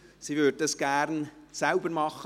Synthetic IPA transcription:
siʋød̚dɑsɡ̥æɾnsalbəɾmɑχə

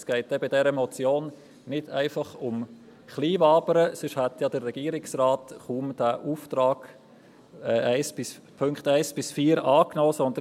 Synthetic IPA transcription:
sɡ̥ɛɪt̚d̥ɛbɪdɛɾəmɔt͡sjoːn | nɪd̥æɪfɑχʊm | χliːvɑːbəɾəsʏʃhæt̪jɑd̥ərːɛɡ̥iːəɾɪksrɑːtχuːmd̥æʔuːft̪ɾɑːɡ̥ | ɛːʔæɪsb̥ɪspʰɵŋkχtæɪsb̥ɪsfiːɾɑːknoːsɔnd̪ə

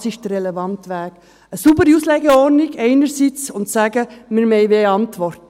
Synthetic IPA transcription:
sɪʃtərɾɛlɛvɑntʋæːɡ̥ | əsubəɾiuːslɛːɡəɔɾnɪɡɛɪnəɾsit͡sʊntsæːɡəmɪɾmɛɪbeːɑntʋɔrt

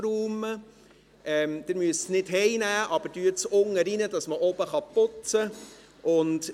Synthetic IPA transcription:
ɾuːmə | ʔɛmd̥ɪɾmyəsnɪdɦɛɪnæːʔɑb̥əɾdyət͡sʊŋəɾinədɑsməʔɔbəχɑpʊt͡sə | ʔʊnt

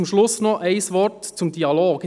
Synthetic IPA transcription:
ʊmʃlʊsnɔæɪsʋɔɾtt͡sʊmd̥iɑloːɡ

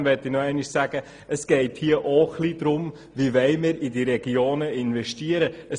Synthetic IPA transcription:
nʋɛtinɔɛɪnɪʃsæːɡ̥ə | ʔəsɡ̥ɛɪthiːəʔoːxlid̥ɾʊm | ʋiʋɛɪmɪːɾidiɾɛɡioːnəɪnvɛʃtiəɾəə

